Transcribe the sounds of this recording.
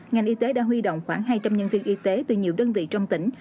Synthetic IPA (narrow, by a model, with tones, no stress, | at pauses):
ŋa˨˩jŋ̟ʔi˧t̪e˨˦ɗa̰ː˧˥ɦwi˧ɗo̰˧˨wŋ͡mxwaː˧˥ŋɦaː˧jt͡ɕa˧mɲə˧nvi˧ənʔi˧t̪e˨˦t̪ɨ˨˩ɲi˨˩əwɗəː˧nvḭ˧˨t͡ɕɔ˧wŋ͡mt̪ï˧˩ŋ̟